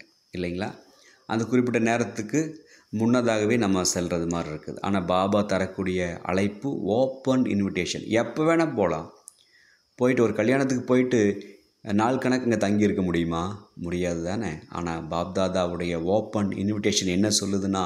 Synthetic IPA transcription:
ɪlːɐŋɡɐɭa̰ː | ʔɐ̰nd̪ɐkʊrɪp̬ːɪʈːɐneːɾɐt̪ːɯkːɯ | mʊnːɐðaːɣɐʋeːnɐmːɐsɛlrɐðɯmaːd̪ɾɪɾɯkːɐðɯ̰ʔa̰ːnaːbaːbaːt̪ɐɾɐkːuːɽɪjɐɐ̰ɭɐɪpːɯoːpːɐnɪ̰nʋɪʈeːʂɐ̰nɛpːɐʋeːnɐpoːlã̰ː | poːjɪʈːɯɔɾɯkɐɭjaːɳɐt̪̬ːɯkːɯpoːjɪʈːɯ | naːɭkɐɳɐkːɛŋɡɐt̪ɐŋɡijɪɾɯkːɐmʊɽɪjɯmaːmʊɽɪjaːðɯt̪aːnea̰ːnaːbaːb̚d̪aːðaːʋɯɽɐjɐoːpːɐnɪ̰nʋɪʈeːʂɐnɛnːɐsɔlːɯðɯnːaː

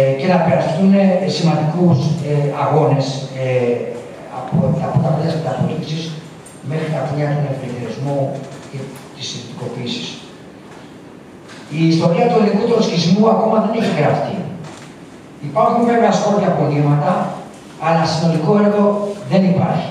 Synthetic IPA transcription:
ce̞nɐpeɾɐst̪unesimɐnd̪ikuseɐɣo̞ne̞s | ɐ̰pot̪ɐpot̪ɐpeðɐsmet̪ɐfoɾtisis | me̞xɾit̪ɐpoʎɐt̪onefpet̪eɾizmuce | t̪isiθit̪iko̞piːsi̥s | iːst̪o̞ɾiɐt̪uðikut̪oscizmuɐko̞mɐðe̞niçɐkeɐft̪i | ipɐɾxunveveɐsko̞pçɐpo̞limɐt̪ɐ | ɐlɐsino̞liko̞eɾɣo̞ðe̞nipɐ̰ɾçi̥

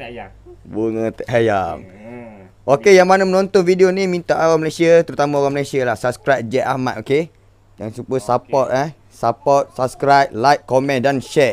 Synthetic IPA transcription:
buŋə̃t̪əʔɦajam | ʔokejaŋmanamənɔ̃nt̪ɔnvidionimĩnt̪aʔawaməlesiat̪əɾut̪amãowaŋməlesialahsap̚skɾajp̚d͡ʒɛʔ̪ahma̰t̪̚oke | jaŋsupəsapɔt̪̚a | sapɔt̪̚sap̚skɾap̚lajkkːɔmɛ̃ndanʃɛt̪̚

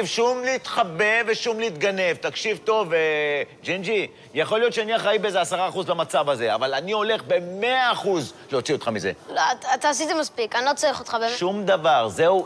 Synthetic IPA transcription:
ivʃumliːt̪χabe̞veʃumliit̪ɡane̞vt̪akʃivt̪o̞ved͡ʒind͡ʒi | jaχo̞lijo̞t̪t͡ʃʃeaniaχaibeezeasaʁaːχuzlamat͡savaze̞a̰valanio̞le̞χbe̞meaːχuzleot͡sio̞t̪χamize̞̰loatat̪aːs̬it̪imaspikanlot͡soʁiχot̪χabeʃumd̪avaʁzeu

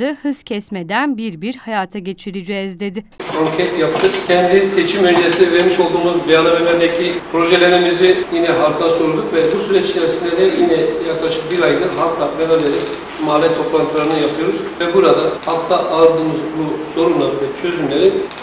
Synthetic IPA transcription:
ɯhɯz̥cʰɛsmed̪ænbiɾbiɾhajaːt̪ʰaɟe̞t͡ʃʰiɾid͡ʒɛɛzd̪ed̪ɪkʰoŋcʰɛt̪jap̚t̪ʰɯkcʲʰɛnd̪ise̞t͡ʃʰimønd͡ʒesinveɾmiʃo̞lˠd̪uːmuzbijanˠavenɛɾɛcʰipʰɾo̞ʒelʲenimizijinɛɦaɾkʰlˠaso̞ɾud̪ukvɛbusyɾɛt͡ʃt͡ʃɛɾsind̪ʲɛd̪ɛjinɛjaklˠaʃɯkbiɾajd̪ɯɾɦak̪lˠabɛnaleɾɛz | maːlʲɛt̪ʰo̞plˠant̪ʰɯlˠaɾɯnɯjapʰɯjo̞ɾuz̥vɛbuɾad̪ahak̪ˠaʔaɾˠd̪ɯːmɯzbuso̞ɾunlˠaɾɯvɛt͡ʃʰø̞zymlʲeɾi

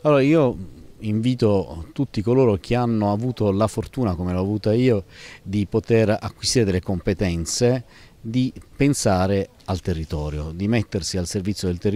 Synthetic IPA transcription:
alːoːɾaiːoiɱviːt̪ot̪ut̪ːikoloːɾok̟ʰeanːoavuːt̪olafort̪uːnakomelɔavuːt̪aiːod̪ipot̪era̰kwist̪iːɾed̪elekompet̪ɛnt̪se | d̪ipensaːɾe | alt̪erːit̪ɔːɾjod̪imet̪ːersialservit̪sjod̪elt̪er

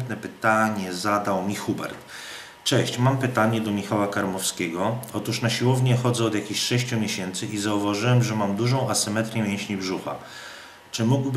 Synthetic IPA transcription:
t̪nɛpɘt̪aɲɛzad̪awmʲixubɛ̰ɾt̪ | t͡ʂɛɕt͡ɕmampɘt̪aɲɛd̪ɔmʲixawakaɾmɔfskʲɛɡɔɔt̪uʂnaɕiwɔvɲɛxɔd̪zɛɔd̪jakʲiɕʂɛɕt͡ɕumʲjeɕɛnt̪sɘʔizauvaʐɘwɛmʐɛmamd̪uʐɔ̃w̃asɘmɛt̪ɾʲjɛmʲjɛ̃ɕɲibʐuxa̰ | t͡ʂɘmuɡb

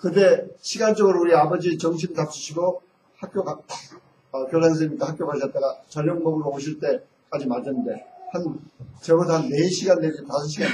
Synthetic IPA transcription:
kɯte̞ɕʰiɡant͡ɕ͈ʌɡɯɾouɾiabʌd͡ʑit͡ɕʌŋɕ̬ʰimtap̚t͡ɕ͈ʰu̥ɕʰiɡo | hak̚k͈joɡa | kjʌɭaŋs̬ʰɯimɲik͈ahak͈jopaɕ̬ʰʌt̚t͈aɡat͡ɕʌɲʌŋmʌɡɯɾooɕ̬ʰiɭt͈e̞ | k͈ad͡ʑimaɭd͡ʑɯnnde̞hant͡ɕemodanːe̞ɕʰiɡanːeɡetasʰɯnɕʰiɡan

